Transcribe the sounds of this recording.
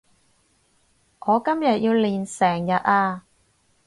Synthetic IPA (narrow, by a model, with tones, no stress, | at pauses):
ŋɔː˨˧kɐ˥mjɐ˨t̚jiː˧wliː˨˩nsɛː˨˩ŋjɐ˨t̚aː˧